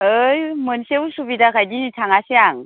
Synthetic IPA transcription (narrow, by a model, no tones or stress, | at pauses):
ɯjmɯnsewsubidakʰajdinitʰaŋasijaŋ